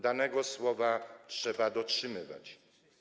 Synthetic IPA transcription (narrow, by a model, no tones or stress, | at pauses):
d̪anɛɡɔswɔvatʂɛbad̪ɔtʂɘmɘva̰t͡ɕ